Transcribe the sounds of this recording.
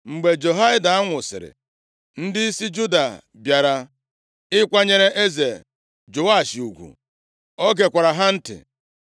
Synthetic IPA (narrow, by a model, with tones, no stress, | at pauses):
ŋ͡m̩˨ɡ͡be˨d͡ʒo˨ɦa˦ɪ˦da˨a˦ŋʷʊ˨sɪ̰˨ɾɪ̰˨ | n̩˦dɪ˦i˦si˦d͡ʒu˦da˨ | bja˨ɾa˦ | ɪ˦kʷa˦ɲe˦ɾe˦ʔe˦ze˨ | d͡ʒo˨a˦˨ʃi˨u˨ɡʷṵ˨ | ɔ˦ɡe˨kʷa˨ɾa˨ɦa˦n̩˦tɪ̰˨